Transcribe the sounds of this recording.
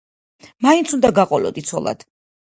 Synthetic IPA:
maint̪sʰund̪aɡaqʼɔlɔ̰d̪it̪sʰɔ̰lˠa̰d̪̥

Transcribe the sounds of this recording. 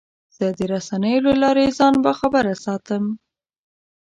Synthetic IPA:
z̥əd̪əɾasanəjolalɑɾezɑnbaxabəɾasɑt̪əm

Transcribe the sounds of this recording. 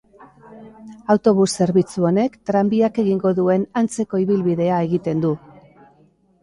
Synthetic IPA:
awt̪o̞β̞usːe̞ɾβit͡suo̞ne̞kt̪ɾambiake̞ɣiŋɡo̞ðue̞nant͡se̞ko̞iβilβiðe̞ae̞ɣit̪e̞nd̪u

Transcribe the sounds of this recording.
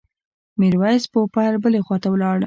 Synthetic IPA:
miɾwajspopaɾbəlexwɑt̪awlɑɽ

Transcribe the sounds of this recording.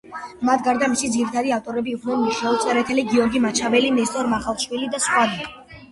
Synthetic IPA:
mat̪̚ʰɡaɾd̪amisid̪ziɾit̪ʰad̪iaft̪ʼɔɾɛbiːkʰnɛnmiʃɛɔt̪sʼɛɾɛt̪ʰɛliɡiɔɾɡimat͡ʃʰavɛlinɛst̪ʼɔɾmaχalˠʃwilid̪asχʼwad̪i

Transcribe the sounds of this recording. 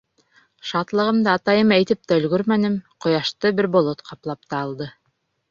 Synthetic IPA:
ʃɑt̪lˠɤ̆ʁɤ̆md̪ɑːt̪ɑjɤmæjt̪ɘp̚t̪æɵ̆lɡɵɾmænɘmqŏjɑʃt̪ɤbɘɾbŏlˠot̪qʰɑplˠɑp̚t̪ɑːlˠd̪ɤ

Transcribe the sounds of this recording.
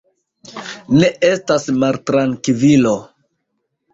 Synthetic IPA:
ne̞ʔe̞stasmaltɾaŋkvilo̞

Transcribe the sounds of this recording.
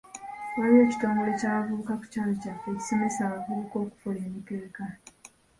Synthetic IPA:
waɾie̞ːci̥toːmɡulo̞caːβavuːkaku̥caːlocafe̞ːcu̥so̞me̞saːβavuːko̞ːku̥fule̞ːmite̞ːka

